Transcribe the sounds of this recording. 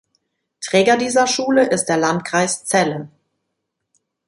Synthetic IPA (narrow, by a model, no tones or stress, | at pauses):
tʁ̥ɛːɡɐdiːzɐʃuːləʔɪst̚d̥eːɐlantkʁ̥aɪst͡sɛlə